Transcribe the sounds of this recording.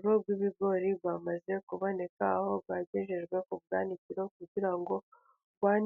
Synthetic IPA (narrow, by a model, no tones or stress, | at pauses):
ɾob̚ɡwiːβiɡo̞ɾibwamaze̞kuβo̞ne̞kaho̞bɡaɟeʒeʒɡwe̞kubɡaːniciɾo̞kuɟiɾaŋɡo̞ | wan